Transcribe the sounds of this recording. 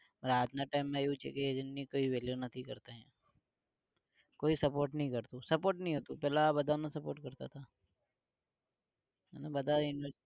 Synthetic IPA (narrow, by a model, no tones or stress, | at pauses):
ɾaːd͡ʒ̪naʈaːɪmːẽjut͡ʃʰḛkeeːd͡ʒənːĩkoːiʋeːljonɐt̪ʰĩkɐɾt̪eɦɛ̰̃ː | koːisɐpoːɾʈnɐɦĩkɐɾt̪ũsɐpoːɾʈnɐɦĩɦoːt̪ũpɛːlabɐd̪anasɐpoːɾʈkɐɾt̪a̰t̪ʰaː | ɦɛ̰ːnabɐd̪ajʊnɪʋəɾ